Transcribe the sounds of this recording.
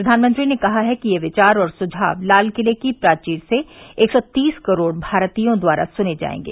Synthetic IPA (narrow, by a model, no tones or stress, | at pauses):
pɾɐd̪ʱaːnmə̃nt̪ɾinekɐɦaɦɛkijeʋɪt͡ʃaːɾɔːɾsʊd͡ʒʱa̰ːʋlaːlkɪlekipɾaːt͡ʃiːɾseeːksɔt̪iːskɐɾoːɽbʱaːɾt̪ijõd̪waːɾa̰sʊned͡ʒa̰ːḛ̃ːŋɡḛː